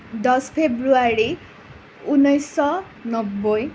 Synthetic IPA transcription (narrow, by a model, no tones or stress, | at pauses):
d̪ʌspʰebruaɾi | unːʌjsʌ | nʌbːʌj